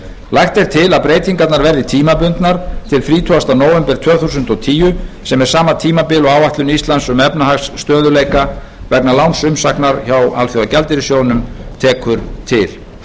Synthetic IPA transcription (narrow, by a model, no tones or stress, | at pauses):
lajxt̪ejɾ̥t̪ʰɪlaðpɾeːjt̪iŋkat̪naɾvɛɾðɪt̪ʰiːmapʏnt̪naɾ̥t̪ʰɪlfɾiːt̪ʰɔɣast̪anoːwvɛmpɛɾ̥t̪ʰvœːθusʏnt̪ɔt̪ʰiːjʏsɛmɛɾ̥saːmat̪ʰiːmapɪlɔɣawvaht̪lʏnʏist̪lansʏmɛpnaɦasːt̪œːðʏleːjka | vɛknalawnsʏmsahknaɾçawa̰lθjowacɛlt̪ɪɾisjoːwnʏmt̪ʰɛːkʰʏɾt̪ʰɪl̥